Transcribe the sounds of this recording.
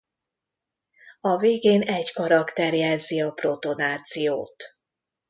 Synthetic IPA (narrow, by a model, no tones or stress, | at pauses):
ɒveːɡeːnɛɟkɒɾɒkt̪ɛrjɛzːiɒpro̞t̪o̞naːt̪sijoːt̪